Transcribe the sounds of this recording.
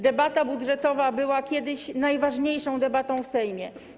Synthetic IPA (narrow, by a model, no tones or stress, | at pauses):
d̪ɛbat̪abudʐɛt̪ɔvabɘwakʲɛd̪ɘɕnajvaʐɲejʂɔ̃w̃d̪ɛbat̪ɔ̃w̃fsɛjmʲjɛ